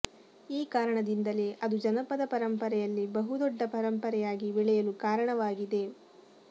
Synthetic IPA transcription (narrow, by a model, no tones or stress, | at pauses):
iːkaːɾɐɳɐd̪ind̪ɐle̞ʔɐd̪ud͡ʒɐnɐpɐd̪ɐpɐɾɐmpɐɾɛjɐlːibɐɦud̪ɔɖːɐpɐɾɐmpɐɾɛjaːɡibiɭɛjɐlukaːɾɐɳɐʋaːɡid̪e̞